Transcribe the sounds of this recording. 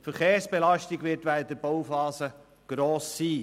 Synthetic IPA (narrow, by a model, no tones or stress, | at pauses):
fəɾχeːɾsb̥elɑʃtiɡʋɪɾtʋæəd̪əbɔwfɑːsə | ɡ̥ɾoːsːiː